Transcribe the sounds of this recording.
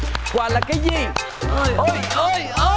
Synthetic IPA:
kwaː˧˩laː˨˩kaː˨˦jzi˨˩˧ | ʔə˧˩jə˧jə˧

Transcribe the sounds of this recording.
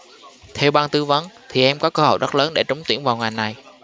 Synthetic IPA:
t̪ʰɛ˧wɓaː˧nt̪ɨ˨˦və˨˦nt̪ʰi˨˩ʔɛ˧mkɔ˨˦kəː˧ho̰˧˩˨jɗə˦˥t̚ləː˨˦nɗe˧˩t͡ɕʊ˨˦ŋ͡mt̪ḭ˧˩ənvaː˨˩wŋa˨˩jna˨˩j

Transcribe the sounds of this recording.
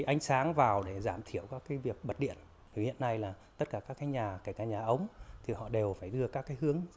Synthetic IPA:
ʔa˧jŋ̟saː˨˦ŋvaː˨˩wɗe˧˩zaː˧˩mt̪ʰi˧˩əwkaː˦˥kːaː˨˦jvi˨˩ək̚ɓə˨˩t̚ɗḭ˧˨ən | vi˨˩hḭ˧˨ənːa˧jlaː˨˩t̪ə˦˥t̚kaː˧˩kaː˦˥kːaː˨˦jɲaː˨˩ka˧˩kaː˧˩ɲaː˨˩ʔə˨˦wŋ͡mt̪ʰi˨˩hɔ̰˧˨ɗe˨˩wfaː˧˩jɗɨ˧əkaː˦˥kːaː˨˦jɦɨ˨˦əŋ

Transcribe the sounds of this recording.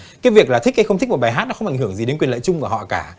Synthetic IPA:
kaː˨˦jvi˨˩ək̚laː˨˩t̪ï˦˥k̚kaː˨˧˦xə˧ŋ͡mt̪̟̚ʰt̚ɓaː˨˩ɦa˦˥t̚nɔ˧˦xə˧wŋ͡mʔa˧˩jŋhɨ˧˩əŋzi˨˩ɗe˨˦nkwi˨˩ələ̰ː˧˨t͡ɕʊ˧ŋ͡mvaː˨˩hɔ̰˧˨kaː˧˩

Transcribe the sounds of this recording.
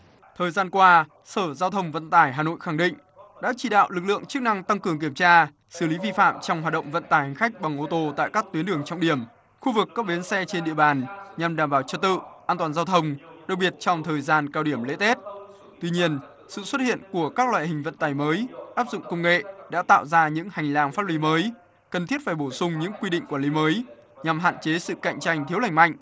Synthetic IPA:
t̪ʰəː˨˩jzaː˧nkwaː˧ | səː˧˩zaː˧wt̪ʰə˧wŋ͡mvə̰˧˨nt̪aː˧˩jɦaː˨˩no̰˧˨jxa˧˩ŋɗḭ̈˧˨ŋ̟ | ɗa̰ː˧˥t͡ɕi˧˩ɗa̰ː˧˨wlɨ˨˩k̚lɨ̰˧˨əŋt͡ɕɨ˦˥k̚na˧ŋt̪a˧ŋkɨ˨˩əŋk̬i˧˩əmt͡ɕaː˧ | sɨ˧˩li˨˦vi˧fa̰ː˧˨mt͡ɕɔ˧wŋ͡mhaː˨˩t̚ɗə̰˧˨wŋ͡mvə̰˧˨nt̪aː˨˩jhŋ̟xa˦˥jk̟̚ɓa˨˩ŋʔo˧t̪o˧t̪a̰ː˧˨jkaː˦˥k̚t̪wi˨˦nɗɨ˨˩əŋt͡ɕɔ˧wŋ͡mɗi˧˩əm | xu˧vɨ˨˩kːaː˦˥p̚ɓi˨˦ənsɛ˧t͡ɕe˧nɗḭ˧˨əɓaː˨˩nɲa˨˩mɗaː˧˩mɓaː˧˩wt͡ɕə˧˩t̚t̪ɨ̰˧˨ʔaː˧nt̪waː˨˩nzaː˧wt̪ʰə˧wŋ͡mɗə˨˩k̚ɓi˨˩ət̚t͡ɕɔ˧wŋ͡mt̪ʰəː˨˩jzaː˧nkaː˧wɗi˧˩əmlḛ˧˥t̪e˦˥t̚ | t̪wi˧ɲi˧ən | sɨ̰˧˨swə˦˥t̚hḭ˧˨ənku˧˩əkaː˦˥k̚lwa̰ː˧˨hï˨˩ŋ̟və̰˧˨nt̪aː˨˩jməː˨˦jʔaː˦˥p̚zʊ̰˧˨ŋ͡mkə˧wŋ͡mŋḛ˧˨ɗa̰ː˧˥t̪a̰ː˧˨wzaː˧ɲɨ̰˧˥ŋha˨˩jŋ̟laː˨˩ŋfaː˦˥t̚li˨˦məː˨˦j | kə˨˩nt̪ʰi˦˥ət̚faː˧˩jɓo˧˩sʊ˧ŋ͡mɲɨ̰˧˥ŋkwi˧ɗḭ˧ŋ̟kwaː˧˩nli˨˦məː˨˦j | ɲa˨˩mɦa̰ː˧˨nt͡ɕe˨˦sɨ̰˧˨ka̰˧˨jŋ̟t͡ɕa˧jŋ̟t̪ʰi˦əla˧˩jŋ̟ma̰˧˨jŋ̟

